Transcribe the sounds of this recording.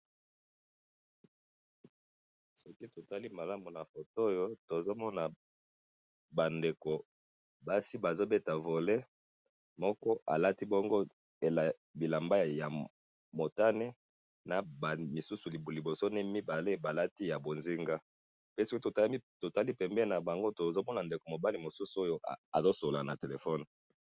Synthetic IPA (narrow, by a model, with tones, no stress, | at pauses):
sɔ˦ki˦to˨ta˦li˦ma˨la˦mu˨na˨fo˨to˦jo˦to˨zo˦mɔ˦na˨ | ba˨nde˨ko˨ | ba˦si˦ba˨zo˦be˦ta˨vo˨le˦ | mɔ˦kɔ˦ʔa˨la˦ti˦bɔ˦ŋɡo˦ | e˨la˨ | bi˨la˨mba˦ja˨ | mo˨ta˦nɛ˦ | na˨ba˨mi˨su˦su˨li˨bli˨bo˨so˦nɛ˦mi˦ba˨le˦ba˨la˦ti˦ja˨bo˨nzi˦ŋɡa˦ | pe˦si˦ki˦tto˨ta˦li˦pɛ˨mbɛ˦na˨ba˨ŋɡo˦to˨zo˦mɔ˦na˨nde˨ko˨mo˨ba˦li˨mo˨su˦su˦o˦jo˦˨a˨zo˦so˨la˨na̰˨te˨le˨fɔ˦n